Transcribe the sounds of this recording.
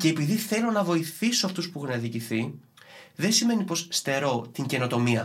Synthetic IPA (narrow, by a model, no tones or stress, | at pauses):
ce̞ːpiðiθe̞lo̞nɐvo̞iθiso̞ɐft̪uspuexunɐðiciθi | ðe̞nsime̞nipo̞sst̪e̞ɾo̞t̪iɲɟe̞no̞t̪o̞miɐ